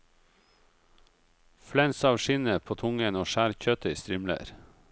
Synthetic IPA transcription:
flɛnsɑːʋʃɪnəpʰoːt̪ʰʊŋənoːʃæːɾçœt̪əiːst̪ɾɪmlə̰ɾ

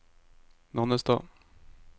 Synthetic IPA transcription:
nɑnəsd̪ɑ̰

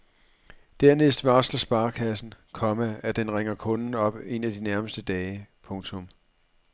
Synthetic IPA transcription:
d̥æɐnesd̥ʋɑ̈slɐsb̥ɑ̈ːkʰæsn̩kʰɒ̽mææd̥enʁeŋɐkʰɔ̽nn̩ɒ̽b̥e̝næd̥inæɐməsd̥əd̥ɛːɪpʰɔ̽ŋt͡sʰɔ̽m

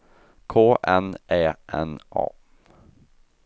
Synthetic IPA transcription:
kʰoːʔɛnʔɛːʔɛnʔɑ̰ː

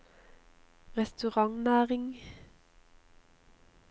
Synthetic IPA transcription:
ʁɛst̪ʉʁɑŋnæːʁɪŋ

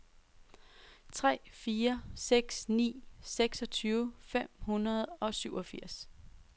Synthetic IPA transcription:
t͡sʰʁɛ̰ːfiːɐseɡ̥snḭːseɡ̥sɒ̽t͡sʰyːʊfem̰hunɐð̞̩ˠɒ̽syʊ̰ɒ̽fiɐ̰s

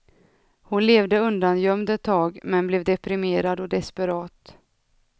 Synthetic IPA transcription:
hʊnleːvd̪əɵnd̪anjœmd̪ɛt̪ʰːɑːɡmɛnblɛːvd̪ɛpɾɪmeːɾad̪ɔd̪ɛspəɾɑːt̪

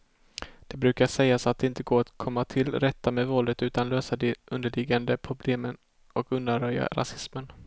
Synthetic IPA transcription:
d̪̥ɛbɾʉ̟ːkaʂɛjːasat̪̚d̪ɛɪnt̪əɡoːɾat̪kʰɔmːat̪ʰɪlɾɛt̪ːameːvɔld̪ət̪ʉ̟ːt̪anløːsad̪ɛʔɵnd̪əɭɪɡand̪əpʰɾʊbleːmən | ɔkɵnd̪anɾœja̰ɾa̰sɪsmən

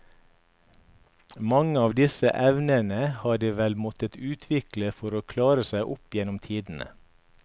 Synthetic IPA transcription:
mɑŋəɑːʋd̪ɪsə̰ʔɛʋnənəhɑːɖiːʋɛlmɔt̪ət̪ʉːt̪ʰʋɪkləfɔɾoːkʰlɑːɾəsæɪʔʊpjɛnʊmt̪ʰiːd̪n̩ə̰

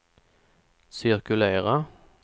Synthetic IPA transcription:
sɪɾkʉleːʁa

